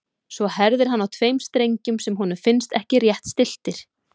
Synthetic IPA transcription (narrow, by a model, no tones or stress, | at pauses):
svɔhɛɾðɪɾ̥ɦanːawt̪ʰvejmst̪ɾejɲcʏmsɛmɦunʏmfɪnst̪ɛhcɪrjɛht̪st̪ɪl̥t̪ɪɾ̥